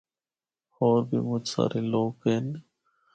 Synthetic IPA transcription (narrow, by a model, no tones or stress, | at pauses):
hoːɾbʱimʊt͡ʃsa̰ɾʔeloːken